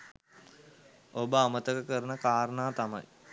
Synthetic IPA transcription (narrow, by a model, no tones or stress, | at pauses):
obəamət̪əkəkəɾənəkaːɾənaːt̪ama̰j